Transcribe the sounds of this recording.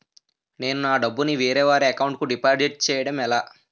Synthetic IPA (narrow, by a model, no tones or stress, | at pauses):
ne̞ːnunaːɖɐbːuniʋiːɾɛːʋaːɾeɐkɐwuɳʈ̚kuɖipaːɾd͡ʒiʈ̚t͡ʃɛːjɐɽɐmɛlaː